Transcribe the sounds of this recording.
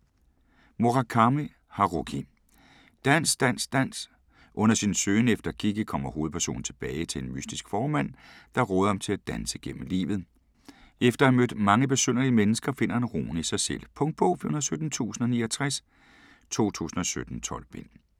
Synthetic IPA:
mo̝ʁɑkʰɑ̈mi | hɑʁokʰi | d̥æn̰sd̥æn̰sd̥æn̰s | ʔɔ̽n̰ɐsinsøːnefd̥ɐkʰiɡ̥əkʰɒ̽m̰ɐho̝ːð̞̩ˠpʰæɐso̝̰ːn̩t͡sʰe̝b̥ɛːɪt͡sʰe̝enmysd̥isɡ̥fɒːmæn̰d̥ɑ̈ʁɔːð̞̩ˠhɑmt͡sʰe̝læd̥ænsəɡ̥em̰m̩lḭːʋð̞̩ˠ | efd̥ɐhæmød̥mɑ̈ŋəb̥e̝søn̰ɐliəmenəsɡ̥ɐfe̝n̰ɐe̝nʁo̰ːnisɑ̈ɪsel̰pʰɔ̽ŋd̥̚bʰɔ̽fihunðˠsød̥n̩t͡sʰṵːsn̩ɒ̽niːɐt͡sʰʁas | t͡sʰo̝̰ːt͡sʰṵːsn̩ɒ̽sød̥n̩t͡sʰɒ̽l̰b̥en̰

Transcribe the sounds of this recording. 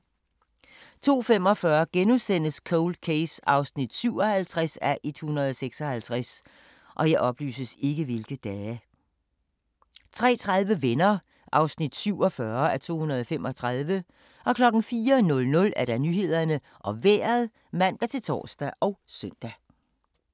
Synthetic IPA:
t͡sʰo̝̰ːfem̰ɒ̽fɶːɐɡ̥enusen̰əskʰoʊld̥̚kʰeɪsɑ̈ʊsnid̥syʊ̰ɒ̽hælt͡sʰʁasæɐʔed̥hunɐð̞ˠɒ̽seɡ̥sɒ̽hælt͡sʰʁas | ʔɒ̽jɑ̈ɪʔɒ̽b̥ly̰ːsəse̝ɡ̥əʋe̝lɡ̥əd̥ɛː | t͡sʰʁɛ̰ːt͡sʰʁað̞ˠʋəʋenɐ | ʔɑ̈ʊsnid̥syʊ̰ɒ̽fɶɐæɐt͡sʰo̝̰ːhunɐðˠɒfem̰ʔɒ̽t͡sʰʁɑðˠʋə | ʔɒ̽kʰlɒ̽ɡ̥n̩fiːɐnɔ̽lnɔ̽læɐɾ̥ɑ̈nyːɦe̝ð̞̰ˠɐnə | ʔɒ̽ʋeːɐðˠ | mæn̰d̥æt͡sʰe̝lt͡sʰɒ̰ːsd̥æʔɒ̽ʊsœn̰d̥æ

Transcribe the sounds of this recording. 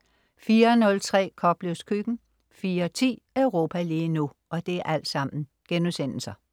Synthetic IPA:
fiːɐnɔ̽lt͡sʰʁɛ̰ːkʰɒ̽b̥le̝ʊskʰyɡ̥n̩ | fiːɐt͡sʰḭːœʊʁo̝̰ːpʰæiliːnu | ʔɒ̽d̥e̝æʔæl̰d̥sɑ̈m̰n̩ | ɡ̥enusen̰l̩sɐ

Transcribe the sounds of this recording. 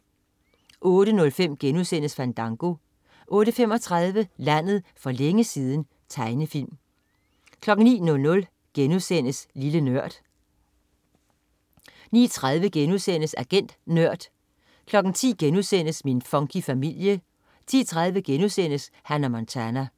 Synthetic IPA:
ʔɔ̽ːɾ̥ənɔ̽lfem̰ɡ̥enusen̰əsfænd̥ɑ̈ŋɡ̥o̝ | ʔɔ̽ːɾ̥əfem̰ɒ̽t͡sʰʁɑð̞ˠʋəlæn̰ð̞̩ˠfɒ̽leŋəsiːð̞ˠn̩ | t͡sʰɑ̈ɪnəfil̰m | kʰlɒ̽ɡ̥n̩nḭːnɔ̽lnɔ̽l | ɡ̥enusen̰əslilənøɐ̰d̥ | nḭːt͡sʰʁað̞ˠʋəɡ̥enuðˠsen̰əsæɡ̥en̰d̥nøɐ̰d̥ | kʰlɒ̽ɡ̥n̩t͡sʰḭːɡ̥enuðˠsen̰əsminfɒ̽ŋkʰifæmil̰jə | t͡sʰḭːt͡sʰʁað̞ˠʋəɡ̥enusen̰əs | hænæmɒnt͡sʰænæ

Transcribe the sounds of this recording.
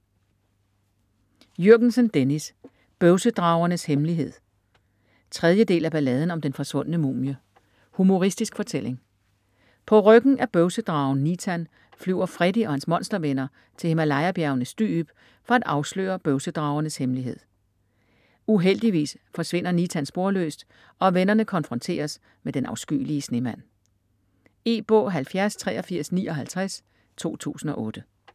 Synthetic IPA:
jøɐ̰ɡ̥n̩sənd̥enis | b̥œʊsəd̥ʁɑ̈ʊɐnəshemliɦe̝ð̞̰ˠ | t͡sʰʁɛð̞ˠjəd̥e̝̰ːlæb̥ælɛːð̞ˠn̩ɒ̽md̥enfɒ̽sʋɔ̽n̰ənəmṵːmjə | humo̝ʁisd̥isɡ̥fɒ̽t͡sʰel̰e̝ŋ | pʰɒ̽ʁœɡ̥n̩ʔæb̥œʊsəd̥ʁɑ̈ʊn̩nit͡sʰæn | flyʊ̰ɐfʁɛd̥iɒ̽hænsmɒ̽nsd̥ɐʋenɐ | t͡sʰe̝emælɑ̈ɪɐb̥jæɐʊnəsd̥y̰ːb̥ | fɒ̽æd̥ɑ̈ʊslø̰ːɐb̥œʊsəd̥ʁɑ̈ʊɐnəshemliɦe̝ð̞̰ˠ | uɦel̰d̥iʋḭːsfɒ̽sʋe̝n̰ɐnit͡sʰænsb̥o̝ɐlø̰ːsd̥ | ɒ̽ʋenɐnəkʰɒ̽nfʁɔ̽nt͡sʰe̝̰ːɐs | med̥enɑ̈ʊsɡ̥y̰ːliəsne̝mæn̰ | e̝̰ːb̥ɔ̰̽ːɦælfjæɐst͡sʰʁɛ̰ːɒ̽fiɐ̰sniːɒ̽ɦælt͡sʰʁas | t͡sʰo̝̰ːt͡sʰṵːsn̩ɒ̽ʔɔ̽ːd̥ə

